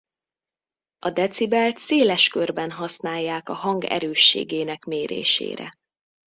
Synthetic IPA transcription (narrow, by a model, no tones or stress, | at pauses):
ɒd̪ɛt̪sibɛlt̪seːlɛʃkørbɛnɦɒsnaːjːaːkɒɦɒŋɡɛ̰ɾøːʃːḛːɡeːnɛkmeːɾḛːʃḛːɾɛ̰